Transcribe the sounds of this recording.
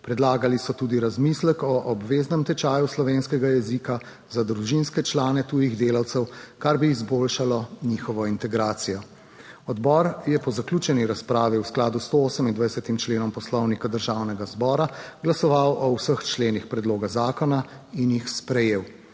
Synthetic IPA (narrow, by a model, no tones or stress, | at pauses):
pɾɛd̪laːɡalisɔt̪uːd̪iɾazmislɛkɔʔɔbʋeːznɛmt̪ɛt͡ʃaːjuslɔʋeːnskɛɡajɛzika | zad̪ɾuʒinskɛt͡ʃlaːnɛt̪uːjiɣd̪eːlawt̪sɛwkaɾbiːzboːlʃalɔnixɔʋɔint̪ɛɡɾaːt̪sijɔ | ɔd̪bɔɾjɛpɔzaklʲuːt͡ʃɛniɾaspɾaːʋiwsklaːd̪ust̪ooːsəmind̪ʋajsɛt̪imt͡ʃleːnɔmpɔslɔwnikad̪əɾʒaːwnɛɡazbɔːɾaɡlasɔʋawʔɔwsəxt͡ʃleːnixpɾɛd̪loːɡazaːkɔnainjixspɾɛjeːw